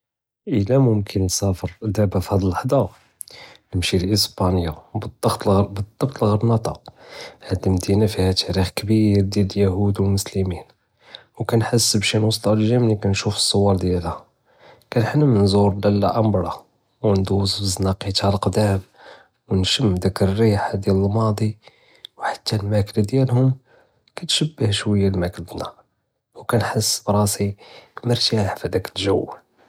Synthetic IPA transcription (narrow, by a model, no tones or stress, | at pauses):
ʔəlæmʊmkʰənːsæfəɾd̪æbæfhæd̪ələħd̪ˤɑ | nəmʃilʔəsbɑnjabəd̪ˤːɑxt̪lbəd̪ˤːɑbt̪ˤlɣəɾnɑt̪ˤɑhæd̪əmd̪inafihæt̪ʰæɾixkbiɾd̪jæd̪əljæhud̪wəlmʊsləmin | wkænħəsːəbʃinwɑst̪ˤɑwlʒæmnikænʃufə̥sˤːowɑɾˤd̪jælhæ | kænħənːæmənzuɾˤd̪ælːæ̰ʔæmbɾˤɑ | wnd̪uzfəznɑqit̪halqd̪æm | wnʃəmːd̪ækərːiħad̪jæləlmɑd̪ˤi | wħḁt̪ʰːælmækld̪jælhʊm | kæt̪ʃəbːəhʃwəjːælmækld̪næ | wkænħəsːbɾˤɑsikməɾt̪iħfæd̪ækəlʒæwː